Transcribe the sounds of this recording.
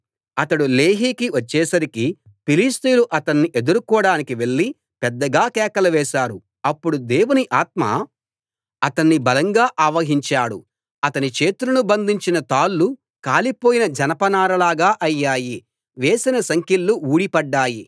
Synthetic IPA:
ɐt̪ɐɽuleːɦiːkiʋɐt͡ʃːɛːsɐɾiki | piliːst̪ujluʔɐt̪ɐnːiʔe̞d̪uɾukuːɽaːnikiʋe̞ɭːi | pɛd̪ːɐɡaːkɛːkɐlɐʋɛːʃaːɾu | ɐpːuɽud̪e̞ːwuniʔaːt̪̚ma̰ | ɐt̪ɐnːibɐlɐŋɡaːʔaːʋɐɦiɲt͡ʃaːɽṵ | ɐt̪ɐnit͡ʃe̞ːt̪uɾunubɐnd̪ʱiɲt͡ʃinɐt̪aːlːu | kaːlipo̞ːjinɐd͡ʒɐnɐpɐnaːɾɐlaːɡaːʔɐjːaːji | ʋeːsinɐsɐŋkilːuuːɽipɐɖːaːji

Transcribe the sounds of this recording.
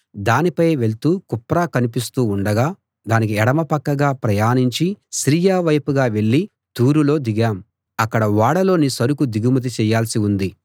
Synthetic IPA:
d̪aːnipɐjʋe̞ɭt̪uːkupːɾaːkɐnipist̪uːɳɖɐɡaː | d̪aːnik̬iɛɽɐmɐpɐkːɐɡaːpɾɐjaːniɲt͡ʃisɾiːjaːʋɐjpuɡaːʋe̞ɭːi | t̪uːɾulo̞ːd̪iɡaːm | ɐkːɐɽɐʋaːɽɐlo̞ːnisɐɾukud̪iɡumɐt̪̬it͡ʃɛːjːaːlsiund̪i

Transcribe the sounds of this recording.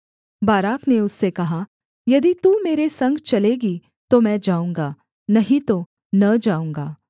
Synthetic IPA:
baːɾaːkʰneʊsːekɐɦa | jɐd̪it̪uːmeːɾesɐ̃ŋɡt͡ʃɐleːɡi | t̪omɛ̃ːd͡ʒaːũːŋɡaː | nɐɦĩt̪o | nɐd͡ʒaːũːŋɡaː

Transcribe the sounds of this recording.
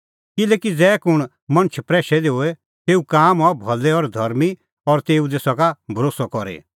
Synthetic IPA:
kɪleːkid͡zɛːkʊɽ̃ | mɐ̃ñt͡ʃʰpɾɛːʃɛd̪eɦoːɛ | t̪eːukaːmɔbʱɐlːɛɔɾd̪ʱɐɾmi | ɔɾt̪eːud̪eːsɔkabʱɐɾoːsɔkɔɾḛ

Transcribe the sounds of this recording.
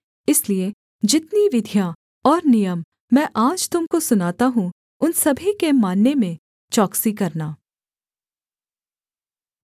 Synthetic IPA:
ɪslie | d͡ʒɪt̪niʋɪd̪ʱja | ɔːɾnijəmː | ɛ̃ːʔaːd͡ʒt̪ʊmkosʊnaːt̪aɦũ | ʊnsɐbʱikemaːnːemẽ | t͡ʃɔːksikɐɾnaː

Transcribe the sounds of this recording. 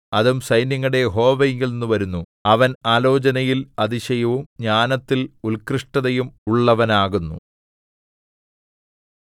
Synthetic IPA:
ɐðumsɐjnjɐŋːɐɽe̞jɦo̞ːʋɐjŋɡilnenːuʋɐɾunːu | ɐʋɐnaːlo̞ːt͡ɕɐnɐjilɐðiɕɐjɐʋumɲaːnɐt̪ːilulkrɨʂʈɐðɐjumuɭːɐʋɐnaːɣunːṵ

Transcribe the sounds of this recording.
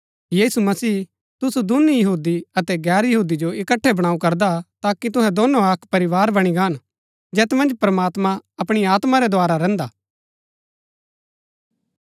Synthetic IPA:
jiːsumɐsiː | t̪ʊsud̪ʊnjɐɦuːd̪iɐt̪ɛɡɛːɾjɐɦuːd̪id͡ʒoɪkəʈʰːɛbɐɽ̃aːũkɐɾd̪at̪aːkit̪ʊɦɛ̃d̪onːõɐkpɐɾɪʋaːɾbɐɽ̃iɡaːn | d͡ʒɛːt̪mɐ̃nd͡ʒpɾɐmaːt̪mãɐpɽ̃iaːt̪mãɾɛd̪ʱoaːɾaɾɛ̃ːnd̪aː

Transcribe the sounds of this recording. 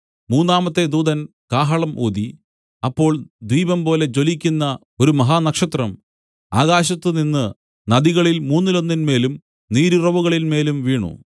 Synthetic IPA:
muːnːaːmɐt̪ːe̞d̪uːd̪ɐn | kaːɦɐɭɐmʔoːd̪i | ɐpːo̞ːɭd̪wiːbɐmpo̞ːle̞t͡ɕo̞likʲːunːɐ | o̞ɾumɐɦaːnɐkʂɐt̪rɐm | a̰ːɣaːɕɐt̪ːɨninːɨ | nɐðiɣɐɭilmuːnːilo̞nːinme̞ːlum | niːɾirɐʋuɣɐɭilme̞ːlumʋiːɳṵ

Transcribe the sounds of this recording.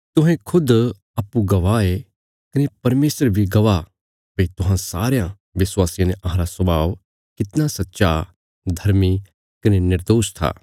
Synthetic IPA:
t̪ʊɦẽkʰʊd̪ | ɐpːuɡɐʋaːe | kɐnepɐɾmeːsəɾbʱiɡɐʋa | pɐit̪ʊɦãsaːɾejã | ʋɪswaːsiãneʔɐɦãːɾasɐbaːʋ | kɪt̪nasɐtːʃa | d̪ʱɐɾmi | kɐnenɪɾd̪oːst̪ʰa̰ː

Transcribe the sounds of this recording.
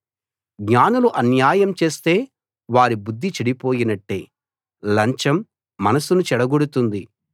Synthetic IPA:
ɡɲaːnuluʔɐnjaːjɐmt͡ʃe̞ːst̪e̞ː | ʋaːɾibud̪ʱːit͡ʃɐɽipo̞ːjinɐʈːe̞̰ː | lɐɲt͡ʃɐmː | ɐnɐsunut͡ʃɛɽɐɡoɽut̪und̪i

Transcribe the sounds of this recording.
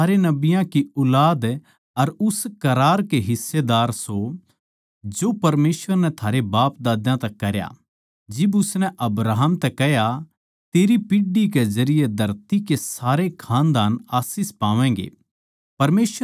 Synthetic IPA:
aːɾenɐbɪjãkiʊlaːd̪ | ɐɾʊskɐɾaːɾkeɦɪsːed̪aːɾso | d͡ʒopɐɾmeːsʋəɾnɛt̪ʰaːɾebaːpd̪aːd̪jãt̪ɐkːɐɾja̰ | d͡ʒɪbʊsnɛʔɐbɾaːɦəmt̪ɛkɛɦja | t̪eːɾipiɖikezɐɾɪjed̪ʱɐɾt̪ikesaːɾekʰaːnd̪aːnaːsispaːʋɛ̃ːɡḛː | pɐɾmeːs

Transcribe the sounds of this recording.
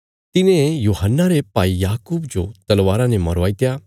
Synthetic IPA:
t̪ɪnẽjuːɦənːaɾepaːijaːkuːbd͡ʒot̪ɐlʋaːɾãnemɐɾʋaːit̪jaː

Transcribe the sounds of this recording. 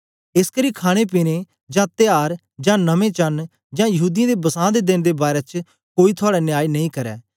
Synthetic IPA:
ɪskəɾiːkʰaːɽ̃ep̬iːne | d͡ʒãːt̪ɪjaːɾ | d͡ʒãːnɐmẽːt͡ʃɐn | d͡ʒãːjɐɦuːd̪ijãːd̪ebɐsãːd̪ed̪ɪnd̪eːbaːɾeːt͡ʃ | koːit̪ʰʊaːɽɛnɪjaːinɐĩkɐɾɛ̰ː

